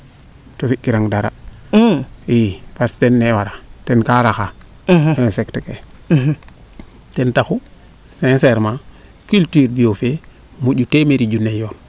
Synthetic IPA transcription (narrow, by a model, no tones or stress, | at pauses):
tofikːiɾaŋdaɾa̰ | ipastenːewaɾatenkaɾaxa | esekteke | tentaxu | sẽnseɾmã | kyltyːɾbiofe | muɟutemeɾiɟunejoːn